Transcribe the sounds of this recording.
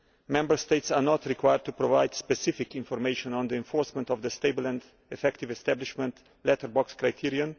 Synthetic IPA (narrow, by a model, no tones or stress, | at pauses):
mɛ̃mbəɹsteɪtsanɔtɹikʰwajəd̚tʰupɹɔvaɪdspɛsɪfɪkɪ̃nfɔɹmeɪʃɔ̃nɔ̃nd̪iɛ̃nfɔɹsmɛ̃ntɔvðəsteɪbələ̃nd | ɛfɛktɪvɛst̪æblɪʃmə̃nt | lɛtəɹbɔkskɹajtʰiɹiə̃n